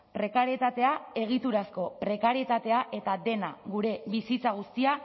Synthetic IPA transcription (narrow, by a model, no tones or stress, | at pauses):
pɾe̞kaɾje̞t̪at̪e̞ae̞ɣ̞it̪uɾasko̞pɾe̞kaɾie̞t̪at̪e̞aʔe̞t̪aðe̞naɣuɾe̞βisit͡saɣ̞ust̪ia